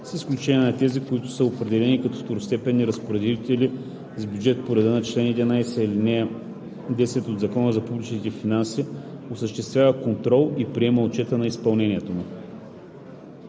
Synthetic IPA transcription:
sisklʲut͡ʃɛnʲiɛnɐt̪ɛzikʊit̪ʊ̥səopɾɛd̪ɛlɛnikɐt̪ɔft̪oɾost̪ɛpɛnːiɾɐspoɾɛd̪it̪ɛli | zbjud͡ʒɛt̪poɾɛd̪ənɐt͡ʃlɛnɛd̪inajsɛilinɛ | d̪ɛsɛt̪od̪zɐkɔnəzɐpublʲit͡ʃnit̪ɛfinansiosəʃt̪ɛst̪vʲavəkont̪ɾɔlˠipɾiɛməot͡ʃɛt̪ənɐispɐlˠnɛniɛt̪omu

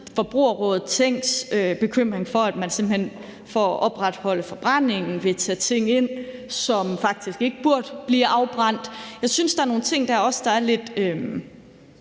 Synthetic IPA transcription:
fɒ̽b̥ʁuɐʁɔ̽ːð̩ˠt͡sʰeŋ̰ɡ̥søb̥e̝kʰøm̰ʁeŋfɒ̽æd̥mænse̝mb̥l̩hen̰ | fɒʔɒ̽b̥ʁad̥hɒ̽ləfɒ̽b̥ʁan̰e̝ŋn̩ʋe̝t͡sʰɛ̰t͡sʰe̝ŋ̰e̝n̰sɒ̽mfɑ̈ɡ̥̚d̥isɡ̥e̝ɡ̥əb̥uɐ̰d̥b̥liːʔɑ̈ʊb̥ʁɑn̰d̥jɑ̈ɪsynsd̥ɑ̈æɐno̝ːn̩t͡sʰe̝ŋ̰d̥ɑ̈ɒ̽sə̥d̥ɑ̈æɐle̝d̥øm

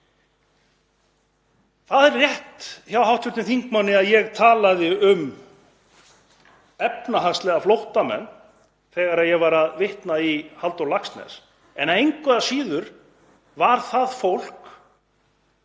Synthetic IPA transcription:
θaðɛrːjɛht̪çjawɦawht̪ʰʏt̪ɪθiŋkmanːɪaðjɛɣt̪ʰaːlaðɪʏm | ɛpnaɦast̪lɛːɣaflowht̪amɛ̰nː | θɛːɣaɾaðjɛɣvaɾaðvɪht̪naihalt̪awlakst̪nɛ̰s | ɛnaejŋkvɛðasiːðʏɾ̥ | vaɾ̥θaðfowl̥k

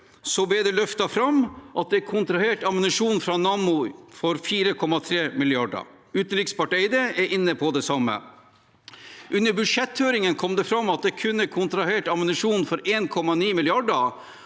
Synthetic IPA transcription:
sɔbɛd̪ɛlœft̪ɑfɾɑmːʔɑt̪̚d̪ɛkʰʊnt̪ɾɑheːʈɑmənɪʂuːnfɾɑnɑːmʊfɔɾfiːɾəkʰɔmɑt̪ʰɾeːmɪlɪɑɖə̰ɾ | ʉːt̪əɾɪkspɑʈɛɪd̪əɛʔɪnːəpʰɔd̪ɛsɑmːə̰ | ʔʉnːəɾbʉʂɛt̪høːɾɪŋənkʰɔmd̪ɛfɾɑmːɑt̪̚d̪ɛkʰʉnːəkʰʊnt̪ɾɑheːʈɑmənɪʂuːnfɔɾeːnkʰɔmːɑniːmɪlɪɑɖəɾ

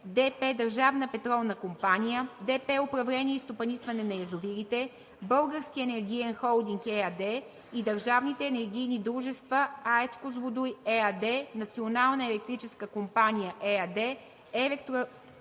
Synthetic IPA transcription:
d̪ɛpɛd̪ɐɾʒavnəpɛt̪ɾɔlˠnəkompanijəd̪ɛpɛʊpɾɐvlɛnʲiɛist̪opɐnisvɐnɛnɐjɐzʊviɾit̪ɛ | bɤlˠɡəɾsk̟iɛnɛɾɡʲijɛnxɔlˠd̪iŋkɛɐd̪ɛ | id̪ɐɾʒavnit̪ɛːnɛɾɡ̟ʲijnid̪ɾuʒɛst̪vəaɛt̪skozvʊd̪ujɛɐd̪ɛnɐt̪sionalˠnəɛlɛkt̪ɾit͡ʃɛskəkompanʲijəʔɛɐd̪ɛ | ɛlɛkt̪ɾ

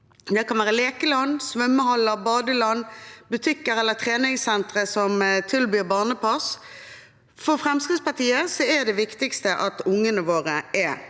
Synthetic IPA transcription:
d̪ɛkʰɑnʋæːʁəleːkəlɑnsʋœmːəhɔlːəbɑːd̪əlɑnːbʉt̪ʰɪkːəɾɛlːət̪ʰʁeːnɪŋsɛnt̪ʁəsɔmt̪ʰɪlbyːbɑːʁnəpʰɑs | fɔʁfʁɛmskʁɪt̪spɑt̪ʰiːəsɔɛd̪ɛʋɪkt̪ɪkst̪əʔɑt̪ʊŋːənəʋoːʁəʔɛ

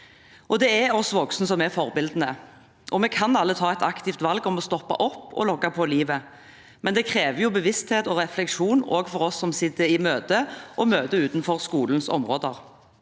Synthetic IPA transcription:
ʔɔd̪ɛɛɔsʋɔksnəsɔmɛfɔʁbɪld̪n̩ə | ʔɔmɛkʰɑnɑlːət̪ʰɑːɛt̪ɑkt̪ɪft̪ʋɑlɡɔmɔst̪ɔpːɑ̰ʔɔpːɔ̰lɔkːɑpʰɔliːʋə | mɛnd̪ɛkʰʁeːʋəjʊbəʋɪst̪heːt̪ɔʁɛflɛkʂuːno̰ːɡfɔɾɔsːɔmsɪt̪ːəɾɪmøːd̪əʔɔmøːd̪əʉːt̪nfɔʁskuːln̩sɔ̰mʁoːd̪əʁ

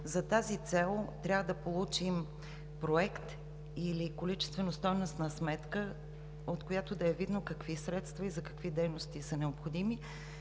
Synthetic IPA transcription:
zɐt̪azit̪sɛlˠt̪ɾʲavəd̪ɐpolˠut͡ʃim | pɾoɛkt̪ | ilikolit͡ʃɛ̥st̪vɛnost̪ɔjnost̪nɐsmɛt̪kə | ot̪kojat̪od̪ɐɛvid̪nokɐkvisɾɛt̪st̪vɐizɐkɐ̥kvid̪ɛjnost̪isɐnɛopxod̪imi

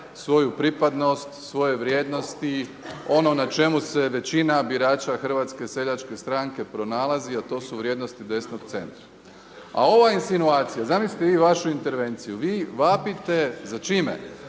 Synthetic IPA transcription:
sʋo̞jupɾipad̪no̞st̪sʋo̞je̞ʋɾje̞ːd̪no̞st̪i | o̞no̞nat͡ʃe̞muse̞ʋe̞t͡ɕinabiɾaːt͡ʃaxr̩ʋat̪skese̞ʎat͡ʃke̞st̪ɾaŋke̞pɾo̞naːlaziat̪o̞ːsuʋɾjed̪no̞st̪id̪e̞sno̞ɡt̪se̞̰nt̪ɾa | a̰o̞ʋainsinuaːt̪sijazamisli̥t̪eʋiːʋaʃuint̪e̞ɾʋe̞nt̪sijuʋiːʋapit̪e̞zat͡ʃiːmḛ

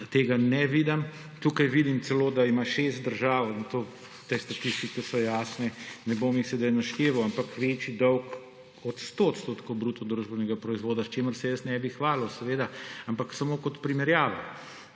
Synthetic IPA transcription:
t̪eːɡanɛʋiːd̪ɐm | t̪uːkajʋid̪imt̪sɛloːd̪aimaʃest̪̚d̪əɾʒaːwint̪oː | t̪est̪ɐt̪ist̪ikɛsɔjaːsnɛnɛbomixsɛd̪ajnɐʃt̪eːʋɐwampakʋeːt͡ʃid̪ɔwk | ɔt̪st̪ot̪st̪oːt̪kobɾuːt̪ɔd̪ɾuʒbɛnɛɡapɾɔizʋoːd̪ast͡ʃeːməɾsɛjəsnɛbixʋaːlɔsɛʋeːd̪aampaksamoːkɔt̪pɾimɛɾjaːʋɔ

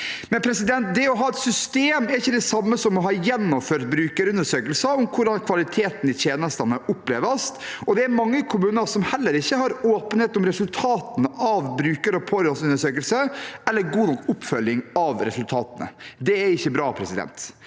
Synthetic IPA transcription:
mɛnpʰɾɛsɪd̪ɛnt̪̚d̪ɛɔɦɑːɛt̪sʏst̪eːmɛɾɪçːəd̪ɛsɑmːəsɔmːɔɦɑjɛnːɔmføːɾt̪̚bɾʉːkəɾʉnd̪əʂøːkəlsəɔmkʰʊɖɑnkʰʋɑlɪt̪ʰeːt̪n̩ɪteːnəst̪ɑnəʔʊpːleːʋɑst̪ɔd̪ɛæɾmɑŋːəkʰʊmʉːnəsɔmhɛlːəɾɪçːəhɑɾoːpənheːt̪ɔmɾɛsʉlt̪ʰɑːt̪ənɑʋbɾʉːkəɾɔpʰɔɾɔsʉnəʂøːkəlsəɛlːəɾɡuːnɔkːʊpːfœljɪŋɑʋɾɛsʉlt̪ʰɑːt̪ənə̰d̪ɛæɾɪçːəbɾɑːpʰɾɛsɪd̪ɛ̰nt̪

